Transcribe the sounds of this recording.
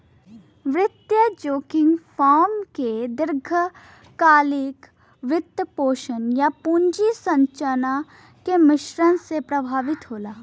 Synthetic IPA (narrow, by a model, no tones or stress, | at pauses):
ʋɾɪt̪jəd͡ʒoːkɪ̃ŋɡfʰaːmked̪ɪɾɡʱə | kaːlɪk | ʋɪt̪ːəpoːʃənjapuːɲd͡ʒisɐ̃ɲt͡ʃəna | kemɪʃɾəñsepɾɐbʱaːʋɪt̪ɦoːlaː